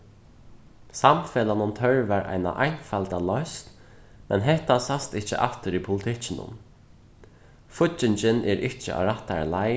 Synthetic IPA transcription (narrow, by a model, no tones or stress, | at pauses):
samfɛːlanʊnt̪ʰœɹvaɾʔa̰jna̰ʔa̰jnfalt̪alɔst̪ | mɛnɦɛht̪asast̪ɪht͡ʃə̰ʔaft̪ɪɾipʰʊlɪt̪ʰɪt͡ɕɪnʊ̰m | fʊt͡ʃːɪɲt͡ʃɪnʔɛɾɪht͡ʃɪ̰ʔa̰ɾaht̪alaj